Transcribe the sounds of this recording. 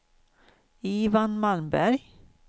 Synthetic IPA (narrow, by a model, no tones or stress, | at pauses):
iːvanmalmbæɾj